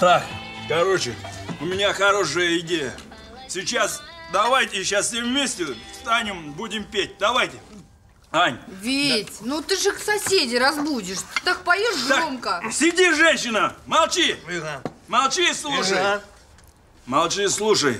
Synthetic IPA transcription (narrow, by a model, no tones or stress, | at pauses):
st̪ɾaxkɐɾot͡ɕɪʊmʲɪnʲaxɐɾo̞ʂəjəɪdʲejə̰ | sʲɪt͡ɕasd̪ɐvajtʲɪɕassʲemvmʲesʲtʲɪst̪anʲɪmbudʲɪmpʲet̚ʲd̪ɐvajtʲɪ | anʲvʲetʲnut̪ɨʐɨksɐsʲedʲɪɾɐzbudʲɪʂt̪ak̚pɐjoʂɡ̪omkəsʲɪdʲiʐɛnʲɕːɪnəmɐlˠt͡ɕi | mɐlˠt͡ɕislˠuʂə | mɐlˠt͡ɕislˠuʂəj